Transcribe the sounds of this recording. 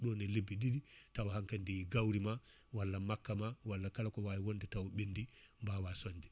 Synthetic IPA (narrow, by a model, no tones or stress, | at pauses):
ɗɔnɛlebːiɗiɾitawhaŋkandijɡawɾima | walːamakːamawalːakalakɔwajiwondɛtawɔɓendimbawasoɲd͡ʒɛ